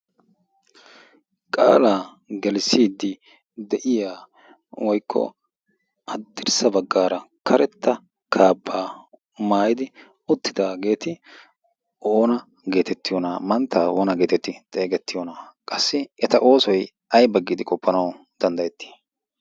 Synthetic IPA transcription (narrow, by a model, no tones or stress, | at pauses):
kʼa̰ːlaː | ɡɛlsiːd̪ɪ | d̪ɛʔɪjaː | wʔɔjkʰːɔ̰ | ɐd̪ːɪɾsɐbɐɡːaːɾɐkʰɐɾɛt̪ːɐ | kʰaːbːaː | maːjɪd̪ɪ | ʊt̪ːɪd̪aːɡe̞ːt̪ɪ | ʔoːnɐ | ɡe̞ːt̪ɛt̪ːɪjɔnamɐnt̪ːaːwɔnɐɡe̞ːt̪ɛt̪ːɪt̪ʼe̞ːɡɛt̪ːɪjɔnaːkʼɐsːɪɛt̪ɐʔo̞ːsɔj | ɐjbɐɡːɪd̪ɪkʼɔpʰːɐnɐw | d̪̥ɐnd̪ɐjɛt̪ːi̥